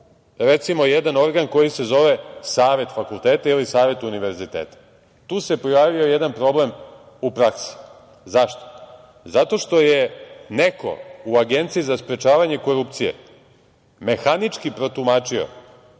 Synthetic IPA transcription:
ɾe̞t̪simo̞jed̪ano̞ɾɡanko̞jise̞zo̞ʋesaːʋe̞t̪fakulˠt̪eːt̪ailisaːʋe̞t̪uniʋe̞ɾzit̪eːt̪ḁ | t̪uːse̞pijaːʋio̞jed̪anpɾo̞ble̞m | upɾaksi̥ | zaʃt̪o̥ | zat̪o̞ʃt̪o̞jene̞ko̞̰uaɡe̞nt̪sijizaspɾet͡ʃaːʋaɲe̞ko̞ɾup̚t̪sijḛ | me̞xanit͡ʃkipɾo̞t̪umaːt͡ʃio̞̰

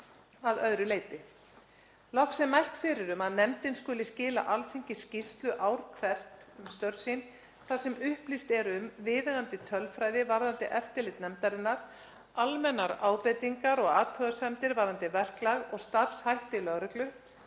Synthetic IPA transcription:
aðœðɾʏleːjt̪ɪ | lɔhksɛmajhkfɪɾɪɾʏmaðnɛmt̪ɪnskʏːlɪscɪːla̰ʔalfiɲcɪscist̪lʏʔaːwɾ̥kʰvɛr̥t̪mst̪œɾsin | θasɛmʏhplist̪ɛɾʏmvɪːðaɣant̪ɪt̪ʰœlfɾajðɪvaɾðant̪ɪʔɛft̪ɪɾlɪt̪nɛmt̪aɾɪnːaɾ | almɛnːaɾaːwpɛt̪iŋkaɾɔɣaːt̪ʰœðasɛmt̪ɪɾvaɾðant̪ɪvɛr̥klaɣɔɣst̪ar̥shajht̪ɪlœɣɾʏklʏ

